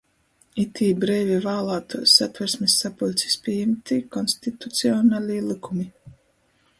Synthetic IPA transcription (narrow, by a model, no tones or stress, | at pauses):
it̪ʰiːbɾɛːvʲivaːlˠaːt̪usat̪vɛɾsmʲisːapulʲtsi̥spʲiɛjɛmt̪ikɔnsʲt̪it̪ut̪siɔnalʲiːlˠikumi